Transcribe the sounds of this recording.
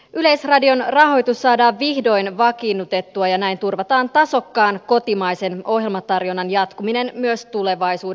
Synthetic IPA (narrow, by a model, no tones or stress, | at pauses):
yle̞jsrɑdio̞nrɑɦo̞jt̪usːɑːdɑːʋʋihdo̞jnʋɑkinːut̪e̞t̪ːuɑjɑnæint̪urʋɑt̪ɑːnt̪ɑso̞kːɑːnko̞t̪imɑjse̞no̞ɦje̞lmɑt̪ɑrjonːɑnjɑt̪kumine̞nmyøst̪ule̞ʋɑjsuː